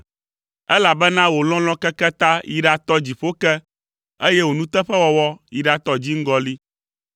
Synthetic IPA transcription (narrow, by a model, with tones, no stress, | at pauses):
ɛ˦la˨bɛ˦nã˦wo˨lɔ̃˦l̃ɔ̃˦kɛ˦kɛ˦t̪ã˦ji˨ɖa˨t̪ɔ˦d͡ʑi˨ɸo˦kɛ˦ | e˦jɛ˦wo˨nũ˦t̪ɛ˦ɸɛ˦wɔ˦wɔ˦i˨ɖa˨t̪ɔ˦d͡ʑi˦ŋ̩˦ɡɔ˦li˦